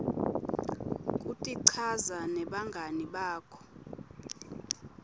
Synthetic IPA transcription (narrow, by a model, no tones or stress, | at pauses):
kʼutʼiǀʰazanɛɓaŋɡʱaniɓaːkʰɔ̥